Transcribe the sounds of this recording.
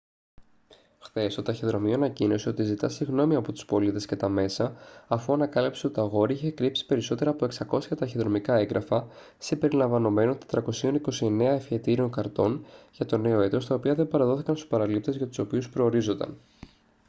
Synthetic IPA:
xθe̞st̪ot̪ɐçeðɾo̞mioɐnɐcino̞sio̞t̪izit̪ɐsiɣno̞miɐpo̞t̪u̥spo̞lit̪e̞sce̞t̪ɐme̞sɐːfuɐnɐkɐlipseot̪ɐɣo̞ɾiçe̞kɾipsi̥pe̞ɾiso̞t̪e̞ɾɐːpo̞e̞ksɐko̞sçɐt̪ɐçeðɾo̞mikɐeŋɡɾʔɐfɐ | sibe̞ɾilɐɱvɐno̞me̞not̪ed̪ɾɐko̞sio̞niko̞sie̞ne̞ɐefçe̞t̪iɾio̞ŋkɐɾt̪o̞nʝɐt̪o̞ne̞o̞e̞t̪o̞st̪ɐopiɐðe̞bɐɾɐðo̞θikɐnst̪u̥spɐɾɐlip̚t̪e̞zʝɐt̪u̥so̞piuspɾo̞ːɾizo̞nd̪ɐ̰n

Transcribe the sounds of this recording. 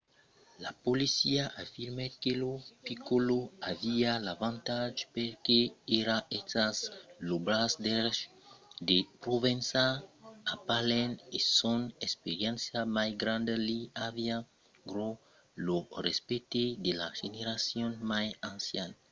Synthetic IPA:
lapolisiaʔafiɾmekelopikoloavialavãnt̪ad͡ʒpeɾkeeɾaetaslobɾasd̪eɾ | d̪epɾovensaapalenesonespeɾjẽnsjamajɡɾãnd̪eliavia | ɡɾo | lorespet̪ed̪elaʒeneɾasjonmajãnsjana

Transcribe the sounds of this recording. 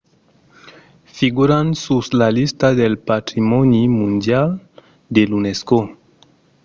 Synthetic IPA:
fiɣuɾansuslalist̪aðelpat̪ɾimɔnimũnd̪jal | d̪elunesko

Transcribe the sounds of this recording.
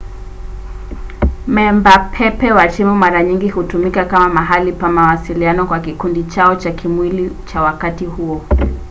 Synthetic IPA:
mɛmbapʰɛpɛwat͡ʃimumaɾaɲiŋɡihutumikakamamaɦalipamawasilianɔkwakikundit͡ʃaɔt͡ʃakʰimwilit͡ʃawakatihuɔ

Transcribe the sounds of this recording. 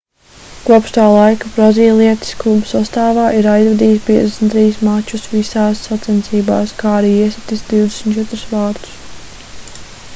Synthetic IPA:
kuɔpʃt̪aːlˠajkabɾaziːlˠiɛt̪i̥sklˠubusast̪aːvaːʔiɾajzvɛd̪iːspiɛd̪esʲnt̪ɾiːsmat͡ʃːusʋisaːsːat̪sɛnt̪siːba̰ːskaːaɾiːiɛsɛt̪isd̪iwd̪esmʲt̪t͡ʃɛt̪ɾu̥sʋaːɾt̪u̥s

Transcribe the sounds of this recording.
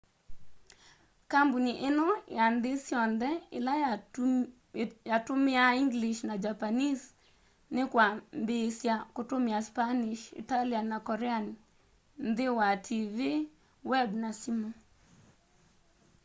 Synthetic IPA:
kambuniʔɪnɔjand̪ɪsjɔnd̪ɛɪla | jatʊmɪaiŋɡliʃnad͡ʒapanis | nɪkwambesjakotʊmɪaspaniʃḭtalianakɔɾɛanɪ | nd̪ɪwatʰivi | wɛbnasimo

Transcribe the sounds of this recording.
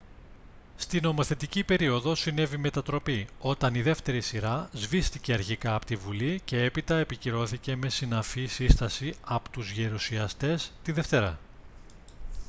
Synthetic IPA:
st̪ino̞mo̞θe̞t̪icipe̞ɾio̞ðo̞sine̞vime̞t̪ɐt̪ɾo̞pio̞t̪ɐniðe̞ft̪e̞ɾisiɾɐzvist̪ice̞ɐɾçikɐːpot̪ivulice̞e̞pit̪ɐe̞piciɾo̞θice̞me̞sinɐfisist̪ɐsiɐpot̪uzʝeɾusiɐst̪e̞st̪iðe̞ft̪e̞ɾɐ̰

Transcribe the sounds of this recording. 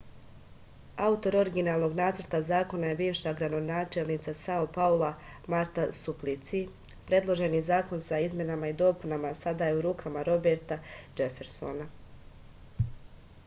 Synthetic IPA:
aut̪o̞ɾo̞ɾiɡinaːlˠno̞ɡnaːt̪səɾt̪azaːko̞naje̞biːʋʃaɡɾad̪o̞naːt͡ʃelˠnit̪sasaopaolˠa | maɾt̪asuplˠit̪si | pɾe̞d̪lˠo̞ʒe̞nizaːko̞nsaizmʲjenamaid̪o̞punamasad̪aje̞uɾuːkʰamaɾo̞beɾt̪ad͡ʒefe̞ɾso̞̰na

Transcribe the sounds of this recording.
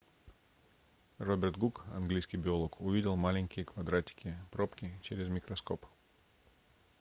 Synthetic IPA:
robʲɪrt̪ɡukɐ̰nɡlʲijskʲɪjbʲɪo̞lˠokʊvʲidʲɪlˠmalʲɪnʲkʲɪjəkvɐd̪ɾatʲɪ̥kʲɪpɾopkʲɪt͡ɕɪɾʲɪzmʲɪkɾɐsko̞p

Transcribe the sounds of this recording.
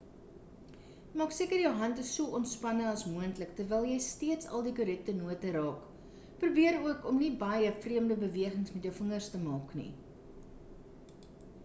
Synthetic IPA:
mɑːksiəkərjəwɦɐntəsuəʔɔntspɐnəɐsmuəntləktərvɛːlˠjɛjstiətsɐ̰lˠdikuɾɛk̚tənuətəɾɑːk | pruːbiəɾuəkɔmnibɐjəfriəmdəbəviəχəŋsmɛtjəwfəŋərstəmɑːknḭ

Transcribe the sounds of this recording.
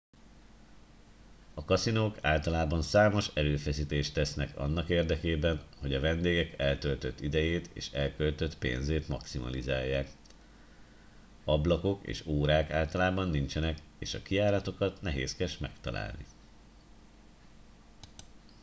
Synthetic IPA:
ɒkɒsinoːkaːlt̪ɒlaːbɒnsaːmo̞ʃɛɾøːfɛsiːt̪eːʃt̪ɛsnɛkɒ̰nːɒkeːrd̪ɛkeːbɛnho̞ɟɒvɛnd̪eːɡɛkɛlt̪ølt̪ø̞t̪ːid̪ɛjeːt̪ḛːʃɛlkølt̪øt̪pḛːnzeːt̪mɒksimɒ̰lizaːjːaːk | ɒblɒko̞kḛːʃoːɾaːkaːlt̪ɒlaːbɒnːint͡ʃɛnɛkeːʃɒkijaːɾɒt̪o̞kɒt̪nɛɦeːskɛʃmɛkt̪ɒ̰la̰ːlnḭ

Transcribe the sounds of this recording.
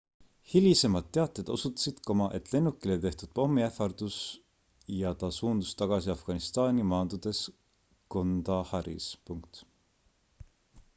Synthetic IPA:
hilʲise̞mɑd̪̚ːe̞ɑt̪ːˑed̪̥o̞sut̪ːˑɑ̥sid̪̥komɑʔe̞t̪ːˑle̞nːukːˑilet̪e̞ht̪ud̪̥̚po̞mːiefɑrd̪̥us | jɑt̪ɑsuːnd̪̥ust̪ɑɡ̥ɑsiɑfɡ̥ɑnist̪ɑːnʲimɑːnd̪ud̪̥e̞s | ko̞nd̪ɑhɑɾḭspuŋk̚t̪

